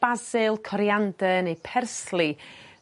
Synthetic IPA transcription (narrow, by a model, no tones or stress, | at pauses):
b̥azɨlˠkʰɔɾjandɛnejpʰɛrslˠi